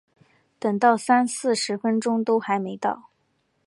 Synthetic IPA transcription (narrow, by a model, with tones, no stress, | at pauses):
t̪ə˨˩ŋt̪ɑ˥˩ʊsa˥nsɹ̩˥˩ʂɻ̩˧˥fə˥nʈ͡ʂʊ˥ŋt̪o˥ʊxa˧˥ɪme˧˥ɪt̪ɑ˥˩ʊ